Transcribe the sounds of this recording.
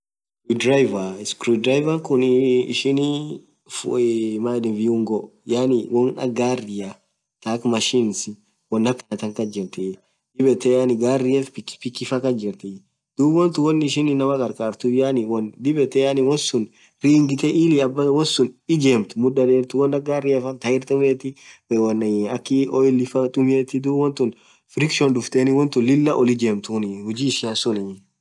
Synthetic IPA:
id̪ɾajvaɪskɾud̪ɾajvɐŋkʊnɪ̰ʃɪn | fmad̪ɛnviʊŋɡɔjanɪwɔnɐ̰ɡaːrɪja | t̪aːkmɐʃinsɪ | wɔnːɐpːɪnɐt̪ɐŋkɐd͡ʒɪɾt̪ɛ | d̪̥ɪbɛt̪ɛjanɪɡaːrːɪjɛfpɪkːpɪkːɪfɐkɐd͡ʒɪɾt̪ɛ | d̪̥uːbwɔnt̪ʊwɔnːɪɪʃɪnɪnːɐmɐkʼɐɾkʼaːɾt̪ʊjanɪwɔnd̪ɪbɛt̪ɛjanɪwɔsʊn | ɾiːŋɡɪt̪ɛʔiːlɪɐbːɐwɔsːʊnɪd͡ʒeːmt̪ʊ̥mʊᶑɐd̪eːɾt̪ʊwɔnːɐɡaːrɪɛfɐnt̪ɐɪɾt̪ʊmeːt̪ːɪwɔnɐkːɪɔjɪlːɪfɐt̪ʼʊmeːt̪ːɪd̪uːbwɔnt̪ʊn | fɾɪkʃɔndʊft̪eːnɪwɔnt̪ʊlɪlːɐʔɔlɪd͡ʒeːmt̪ʊnɪhʊd͡ʒiːʃɪɐnsʊnɪ

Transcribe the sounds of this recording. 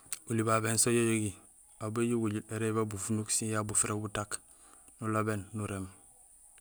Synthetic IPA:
ulibabensojojoɡi | abeɟuɡuɟieɾebabufunuksijabufiɾʔebutak | nulabenːuɾem

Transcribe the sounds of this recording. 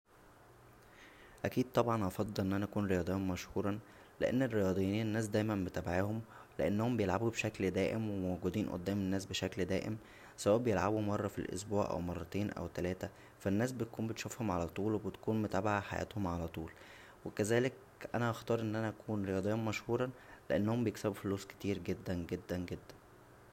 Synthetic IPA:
ʔækiːd̪̚t̪ˤɑbʕɑnʔɑfɑd̪ˤːɑlʔenːʔænæʔækuːnɾejɑːd̪ˤjːhommæʃhuːɾˤɑ | lḛʔḛnːerːejɑːd̪ˤejiːniːnenːæːs̬d̪æːjmæmbet̪æbʕehomleʔenːæhombejelʕabubeʃækld̪æːʔemwemoɡud̪iːnʔo̰d̪ːæːmenːæːsbeʃækld̪æ̰ːʔem | sæwæːʔbejelʕabumɑrˤːɑfḭlʔo̰sbuːʕʔæ̰wmɑrˤːɑt̪eːnʔæ̰wt̪ælæːt̪æ | fænːæːs̬bet̪̚kuːmbet̪ʃufhomʕalæt̪ˤuːlwebet̪kuːnmot̪æbaʕaħajʔæ̰ːt̪homʕalæt̪ˤuːl | wekæzæːlek̚ | ʔænæʔɑxt̪ˤɑːɾˤʔenːʔænæʔækʰuːnɾejɑːd̪ˤejːɑnmæʃhuːɾˤɑleʔenːhombejeksæbufoluːske̥t̪iːɾɡed̪ːænɡed̪ːænɡed̪ːæn

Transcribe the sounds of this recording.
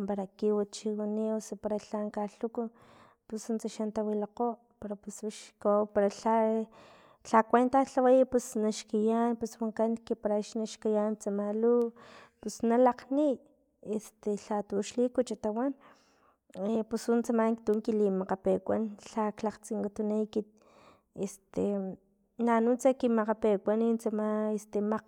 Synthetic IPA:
paɾakiwat͡ʃiwaniosopaɾaɬaŋkaɬuku | pusunt͡saʃant̪awilaqoʔ | peɾapusuʃkopaɾaɬa | ɬakʷent̪aɬawajpusnaʃkijanpuswaŋkankipaɾaʃnaʃkijant͡samalupusnalaqni | est̪eɬat̪uʃlikut͡ʃat̪awan | pusunt͡samaŋkt̪uŋkilimaqapekʷanɬaklaqt͡siŋkat̪unajkit̪̚ | est̪e | nanut͡sakimaqapekʷanint͡samaest̪emaq

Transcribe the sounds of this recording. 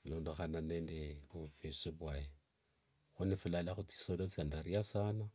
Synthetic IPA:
loːndoxananendeβufisiβwaje | xunifulalaxut͡si̥sodot͡sandaɾiasana

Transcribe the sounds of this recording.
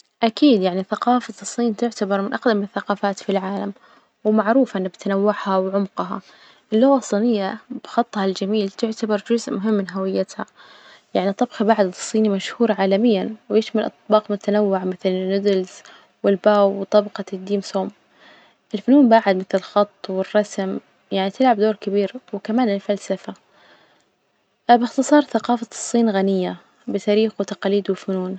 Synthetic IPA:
ʔakiːd̪jaʕniθaqɑːfasˤːiːnt̪ʊʕt̪abɑɾˤmɪnʔɑqd̪amɪnɪθːaqɑːfaːt̪filʕaːlam | wmaʕɾuːfʔɪnːabɪt̪anawːaʕhawʕʊmqɦɑ̰ | ʔɪlːʊɣɑsˤiːnɪjːabxɑt̪ˤːhɑld͡ʒamiːlt̪ʊʕt̪abɑɾˤd͡ʒʊzʔmʊɦɪmːɪnɦawɪjːat̪ha | jaʕnit̪ˤɑbxibaʕad̪ɨsˤːiːnimaʃhuːɾʕaːlamɪjːanwɪjɪʃmalʔɑ̰t̪̚ˤbɑːqmʊt̪anawːʊʕmɪθlɪnːʊd̪ɪlz | wɪlbaːwt̪ˤɑbqɑd̪ːiːmsoːm | ʔɪlfʊnuːnbaːʕɪd̪mɪθlɪlxɑt̪ˤːwɪrˤːɑsm | jaʕnit̪ɪlʕabd̪oːɾkɪbiːɾwɪkamaːnɪlfalsafa | bɪxt̪ɨsˤɑːɾˤθaqɑːfasˤːiːnɣanɪjːa | bɪt̪aːɾiːxwɪt̪aqɑliːd̪wɪlfʊnuːn

